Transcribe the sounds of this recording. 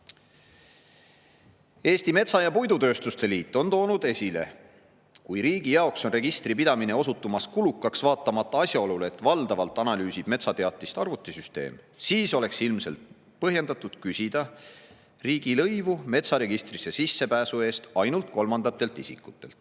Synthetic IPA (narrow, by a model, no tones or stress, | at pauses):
e̞ːst̪ime̞t̪sɑjɑpujd̪ut̪ø̞ːst̪ust̪e̞liːt̪ːˑo̞nt̪o̞ːnud̪e̞sʲile̞̰ | kujɾiːɡ̥ijɑokso̞nre̞ɡ̥ist̪ripid̪ɑmine̞o̞sut̪ːˑumɑskulukːˑɑksvɑːt̪ːˑɑmɑt̪ːˑɑɑsʲjɑo̞luleet̪vɑld̪ɑvɑlt̪ːˑɑnɑlyːsib̥me̞t̪sɑt̪eɑt̪ˑːist̪ɑrvut̪ːˑesyst̪e̞̰ːm | siːso̞le̞ksilmse̞̰lt̪ | pɤɦje̞nd̪ɑt̪ːˑud̪̥kysʲid̪̥ɑ | riːɡ̥ilɤjvume̞t̪sɑɾe̞ɡ̥ist̪rise̞sisːe̞pæːsue̞ːst̪ɑjnult̪̚ko̞lmɑnd̪ɑt̪ːˑe̞lt̪ˑisḭkːˑut̪ːˑe̞lt̪ːˑ